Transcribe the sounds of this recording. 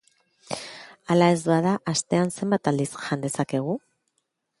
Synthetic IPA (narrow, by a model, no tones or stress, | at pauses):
alae̞zβaðaʔast̪e̞anse̞mbat̪ald̪isʝand̪e̞sake̞ɣ̞u